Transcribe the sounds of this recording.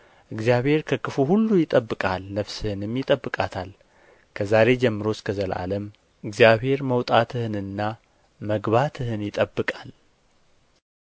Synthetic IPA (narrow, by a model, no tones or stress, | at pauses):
ʔɨɡzijaβhe̞ɾkʰəkʰɨfuhulːujɪt̪ʼəbːɨkʼalnəfsɨhɨnɨmjɪt̪ʼəbːɨkʼat̪ʰal | kʰəzaɾe̞d͡ʒɛmːɨɾo̞skʰəzəlʔa̰ləm | ʔɨɡzjaβhe̞ɾməwt̪ʼat̪ʰɨhɨnɨnːa | məɡβat̪ʰɨhɨnjɪt̪ʼəbːɨkʼal